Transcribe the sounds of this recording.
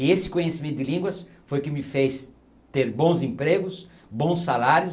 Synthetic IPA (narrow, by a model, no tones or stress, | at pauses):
ɪesɪ̥kõɲesimẽt̪ʊd̪ɪlĩŋɡwɐs | fojʊkɪmɪfejs | t̪eɾbõw̃zẽmpɾeɡʊs | bõw̃sːalaɾjʊ